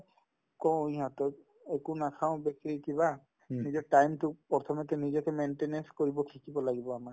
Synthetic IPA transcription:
kɔ̃iɦatɔt | ekʊnakʰaʊ̃bekɹikiba | nizɔtajmtʊpɔt̪ʰɔmɔtɛnizɔkɛmentenɛnskoɹibɔkʰikibɔlaɡibɔama

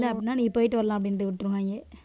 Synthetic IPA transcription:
lːaɐpːnːaːɳiːpːoːjʈːɨʋɐɾɐlãːɐp̬ːɐɽinːɐɨʋiʈːɾuŋɡaːŋɡe

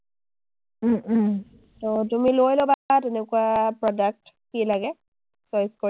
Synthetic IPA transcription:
totumilojlobatɛnɛkuapɹɔdak̚t | kilaɡɛ | sɔjsko

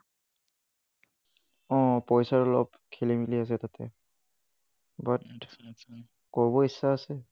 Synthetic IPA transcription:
ɔ̃pɔjsaɹɔlɔ̰p | kʰelimilias̬ɛt̪at̪ʰɛ̰ | bat | kɔɹbɔisːaəsɛ

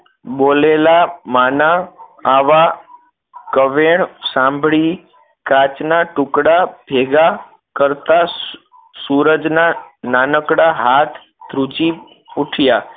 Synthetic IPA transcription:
ɓolelamanaː | ʋa | kəʋeɳ̃sãmbʱɭi | kat͡ʃnaʈʊkɽabʱeɡa | kəɾt̪a | suɾəd͡ʒnananəkɽaɦat̪ʰ | d̪ɾud͡ʒi | uʈʰja

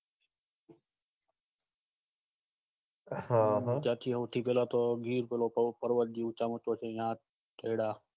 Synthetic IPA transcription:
had͡ʒaːt̪ʰiːʊʈ̪ʰiːpeːlaːt̪oːɡiːɾpeːloːpəɾʋət̚d͡ʒiːʊt͡ʃaːmʊt͡ʃoːt͡ʃʰẽːjãː | ʈʰeːɽaː

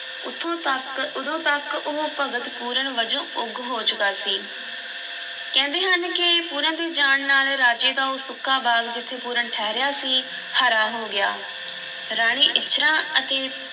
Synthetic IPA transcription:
ʊt̪ʰː | ʊd̪õːt̪əkʊɦõpəɡət̪puːɾəɳʋəd͡ʒõːʊɡɦoːt͡ʃʊkaːsiː | kɛ̃ːnd̪eːɦənkɪpuːɾãːd̪eːd͡ʒaːɳnaːlɾaːd͡ʒeːd̪aːoːsʊkʰːaːbaːɡd͡ʒɪt̪ʰːeːpuːɾəɳʈʰɛːɾɪjaːsiː | hʰəːɾaːɦoːɡɪja̰ː | ɾaːɽ̃iːʔɪtːʃʰɾãːət̪eː

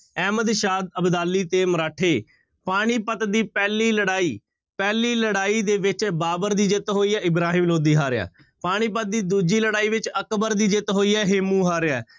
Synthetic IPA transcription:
ɛːməd̪ʃaːd̪̚əbd̪aːlːiːt̪eːməɾaːʈʰeː | paːɽ̃iːpət̪d̪iːpɛːliːləɽaːiː | pɛːliːləɽaːiːd̪eːʋɪt͡ʃbaːbəɾd̪iːd͡ʒɪt̪ɦoːiːɛːɪbɾaːɦĩːmloːd̪iːɦaːɾɪa̰ː | paːɽ̃iːpət̪̚d̪iːd̪uːd͡ʒiːləɽaːiːʋɪt͡ʃəkbəɾd̪iːd͡ʒɪt̪ɦoːiːɛːɦɪmũːɦaːɾɪɛː

